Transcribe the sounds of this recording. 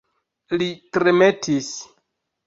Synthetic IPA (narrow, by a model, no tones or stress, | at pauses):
litɾeme̞tʰis